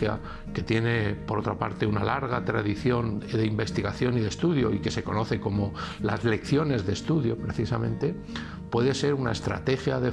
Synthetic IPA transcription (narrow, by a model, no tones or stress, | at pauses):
ja̰ | ke̞t̪je̞ne̞po̞ɾo̞t̪ɾapa̰ɾt̪e̞unalaɾɣ̞at̪ɾaðiθjo̞nðe̞imbe̞st̪iɣaθjo̞niðe̞st̪uðjo̞ike̞se̞ko̞no̞θe̞ko̞mo̞la̰zle̞kθjo̞ne̞zðe̞ːst̪uðjo̞pɾe̞θisamẽ̞nt̪e̞ | pwe̞ðe̞se̞ɾuna̰e̞st̪ɾa̰t̪e̞xjaðe̞